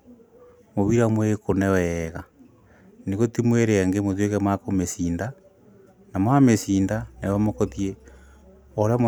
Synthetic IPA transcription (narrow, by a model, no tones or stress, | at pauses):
moβiɾamwekonɛwɛɣa | neɣotimweɾeaŋɡemoðwek̬ɛmakomesiːnda | namwamesindanawamokotie | oɾeamo